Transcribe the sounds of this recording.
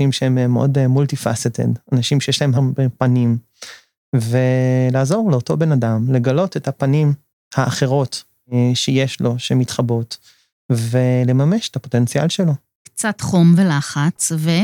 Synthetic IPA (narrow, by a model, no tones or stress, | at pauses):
imʃeememʔo̰dmultifa̰set̪ʰḛdanaʃimʃejeʃlaemɦambepanim | velaːzo̞ʁleoto̞be̞nadamle̞ɡalo̞te̞thapanim | haːχe̞ʁo̞t | ʃejeʃlo̞ʃemitχabo̞t | vele̞mameʃe̥tapo̞tent͡sialʃelo̞ | kt͡satχo̞mvelaχat͡sve